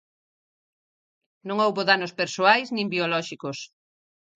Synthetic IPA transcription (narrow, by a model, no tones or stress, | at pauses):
nõŋowβoðanospeɾsoajznĩmbiolɔʃikos